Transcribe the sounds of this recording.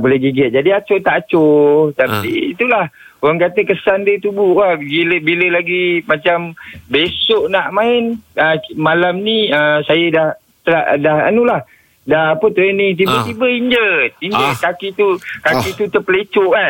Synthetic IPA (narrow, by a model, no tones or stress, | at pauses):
bolɛɡiɡət̪̚d͡ʒadiat͡ʃot̪aʔat͡ʃot̪apḭːt̪ulahoɣaŋkat̪əkəsandət̪ubuʔahɡiləbiləlaɡimat͡ʃambesoʔnaʔmaɪnəmalamnĩəsajədah | t̪əla̰ʔdaha̰nulah | dahapət̪əɾənit̪̬ibət̪ibəiɲd͡ʒət̪̚iɲd͡ʒət̪̚kakit̪ukakit̪ut̪əpəlet͡ʃoʔan